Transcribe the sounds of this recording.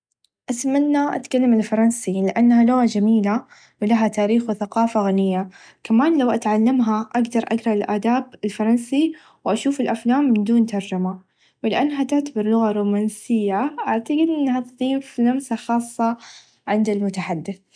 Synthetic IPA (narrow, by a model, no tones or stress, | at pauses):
ʔasmanːaʔa̰t̪kalːamɪlfɑɾˤɑnsilɪʔanːhaloːʕd͡ʒamiːla | wɪlaɦat̪aːɾiːxwɪθaqɑːfaɣanɪjːa | kamaːnlawʔat̪ʕalːamɦaʔaɡd̪ɑɾˤʔa̰ɡɾˤɑlʔaːd̪aːbɪlfɑɾˤɑnsi | wʔaʃuːfɪlʔaflaːmːɪnd̪uːnt̪ɑɾˤd͡ʒama | wlɪʔanːɦat̪ʊʕt̪abɪɾˤlʊɣaɾˤuːmaːnsɪjːaʔaʕt̪aɡɪd̪ʔɪnːhat̪ðˤiːfnafsaxɑːsˤːɑ | ʕɪnd̪almʊt̪aħad̪ːɪθ